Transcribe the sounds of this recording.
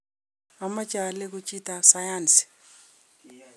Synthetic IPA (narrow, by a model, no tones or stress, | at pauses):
amat͡ʃʼalɛk̬ut͡ʃʼitʼasajansi̥